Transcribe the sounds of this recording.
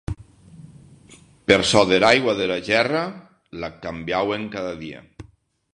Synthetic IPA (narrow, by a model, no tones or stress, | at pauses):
peɾsɔðeɾajɣwaðelaʒɛra | lakambjaweŋkaðaðia̰